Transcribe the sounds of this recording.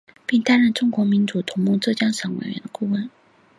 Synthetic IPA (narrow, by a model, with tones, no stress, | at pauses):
pi˥˩ŋt̪a˥nɻə˥˩nʈ͡ʂʊ˥ŋkwɔ˧˥mi˧˥nʈ͡ʂu˨˩t̪ʰʊ˧˥ŋmu˥˧ʈ͡ʂɤ˥˩t͡ɕjɑ˥ŋʂɑ˧˥ŋwḛ˨˩ɪɥɛ̰˧˥nd̪ə˧ku˥˧wə˥˩n